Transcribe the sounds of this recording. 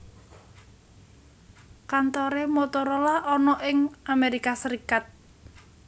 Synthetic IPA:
kant̪ɔɾemot̪ɔɾɔlaʔɔnɔʔɪŋʔameɾikasəɾikat̪̚

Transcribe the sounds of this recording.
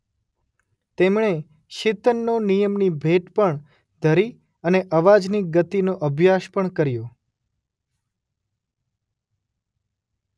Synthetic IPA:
t̪emɳ̃e | ʃɪt̪ənːonijəmnibʱeʈpəɳ | d̪ʱəɾi | əneʔəʋad͡ʒniɡət̪inoʔəbʱjaʃpəɳkəɾjo

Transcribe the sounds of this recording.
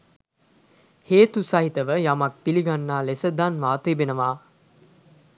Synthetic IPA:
heːt̪usɐɦit̪əʋəjamɐk̚piliɡanːaːlesəd̪anʋaːt̪eːbenəʋaː

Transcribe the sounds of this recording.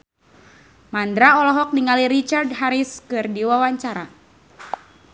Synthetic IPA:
mand̪ɾaɔlɔɦɔk̚niŋaliɾit͡ʃardɦaɾiskɨrdiwawaɲt͡ʃaɾa

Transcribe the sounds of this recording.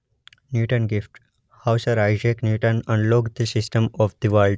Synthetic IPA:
njuːʈənɡɪfʈ | haʊsəɾaɪd͡ʒeknjuːʈə̃nə̃ɳɖloːɡd̪isɪsʈəmɔʋd̪iʋəlɖ

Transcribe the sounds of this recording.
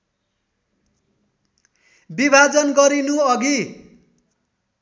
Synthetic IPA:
bibʱad͡zʌnɡʌɾinuʌɡi

